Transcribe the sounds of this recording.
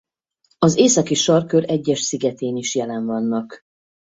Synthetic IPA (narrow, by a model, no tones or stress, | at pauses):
ɒzeːsɒkiʃɒrkøɾɛɟːɛʃsiɡɛt̪eːniʃjɛlɛɱvɒnːɒk